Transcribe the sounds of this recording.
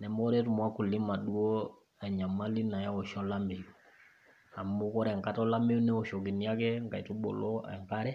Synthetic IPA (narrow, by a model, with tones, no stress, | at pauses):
nɛ˨mɔ˦ɾɛ˦tu˨mwa˦ku˨li˦ma˨ɗu˦o˦ | ɛ˨ɲa˨ma˦li˦na˨ja˦ɔ˨ʃɔ˦la˦mbe˨ju˨ | a˨mbu˦kɔ˦ɾɛ˨ŋka˦tɔ˦la˦me˦ju˦nɛ˦ɔ˨ʃɔ˨ki˨ni˦a˦kɛ˦ŋɡa˨i˨tu˦ɓɔ̰˨lɔ˦ɛ̰˨ŋka˦ɾɛ˦